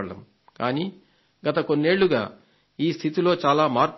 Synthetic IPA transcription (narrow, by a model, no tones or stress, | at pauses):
ɽɐ̰m | kaːniː | ɡɐt̪ɐkonːe̞ːɭːuɡaː | iːst̪ʰit̪ilo̞ːt͡ʃaːlaːmaːɾk